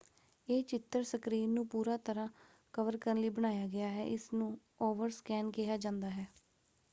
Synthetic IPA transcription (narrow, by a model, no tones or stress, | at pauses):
eːt͡ʃɪt̪ːəɾsəkɾiːnũːpuːɾaːt̪əɾãː | kəʋəɾkəɾənləiːbəɽ̃aːjaːɡɪaːɦɛ̰ːʔɪsnũː | oːʋəɾskɛːnkɪɦaːd͡ʒãːnd̪aːɦɛː